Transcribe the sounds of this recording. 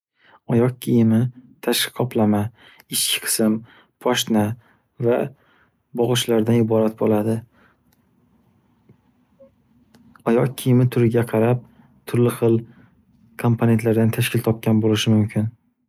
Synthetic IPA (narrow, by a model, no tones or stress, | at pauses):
ɒjɒq̚kʲʰijɪmɪt̪ʰaʃqʰɒpʰlama | ɪt͡ʃkʲʰɪ̥qʰɨ̥sɪm | pʰɒʃna | va | bɒʁɨʃlaɾd̪anɪbɒɾat̪̚bolad̪ɪ | ɒjɒq̚kʲʰɪjɪmɪt̪ʰʊɾɪɡʲaqʰɑɾap̚ | t̪ʰʊɾlɪχɨlˠ | kʰompʰone̞nt̪laɾd̪ant̪ʰaʃkʲɪlt̪ʰɒp̚kʲanbolɪʃɪmʊmkʲʰɪn